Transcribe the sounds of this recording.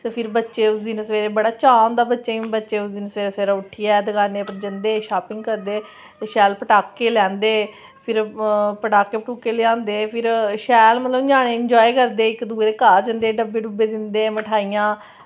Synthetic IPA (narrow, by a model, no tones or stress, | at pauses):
teːpʰɪɾbətːʃeːʊsd̪ɪnəsʋeːɾeːbəɽaːt͡ʃãːnd̪aːbətːʃeːĩbətːʃeːʊsd̪ɪnəsʋeːɾeːsʋeːɾaʊʈʰijaːd̪əɡaːneːpəɾd͡ʒənd̪eːʃaːpɪŋɡkəɾd̪eː | t̪eːʃɛːlpəʈaːkːeːlɛ̃ːnd̪eː | pʰɪɾpəʈaːkːeːpʈuːkːeːlɪãːnd̪eːpʰɪɾʃɛːlmət̪ləbd͡ʒaːɽ̃eːɪɲd͡ʒɔːikəɾd̪eːɪkd̪uːɾeːkaːɾd͡ʒə̃nd̪eːɖəbːeːɖʊbːeːd̪ɪnd̪eːməʈʰaːijãː